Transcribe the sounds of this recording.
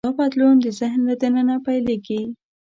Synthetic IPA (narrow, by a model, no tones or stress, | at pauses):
ɑpat̪lund̪əzɪhnlad̪ənənapajleɡi